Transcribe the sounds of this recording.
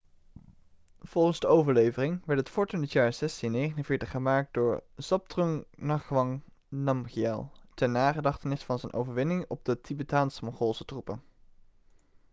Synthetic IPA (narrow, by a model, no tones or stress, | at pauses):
v̥ɔlˠχənzdəowvəɹlejvərɪŋʋɛɹtɦətfɔɹtənətjaːɹz̥ɛstinejχənənvɪːɹtəχχəmaːk̚dʊːɹz̥ɑp̚trɔŋnɑχʋɑŋ | nɑmχiɛ̰lˠtɛɹnaːχədɑχtənɪsfɑnzɛjnʔo̰wvəɹʋɪnɪŋɔb̚dətʰibətaːnsəmɔŋχɔlˠsətrupən